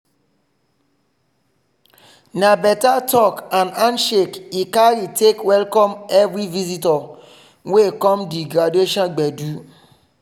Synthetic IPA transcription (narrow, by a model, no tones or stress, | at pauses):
nabɛtatʰɔkãnãnʃekikaɾitʰekwɛlkɔ̃mɛvɾivizitɔ | wekɔ̃mdiɡɾadeʃɔ̃nɡ͡bɛdu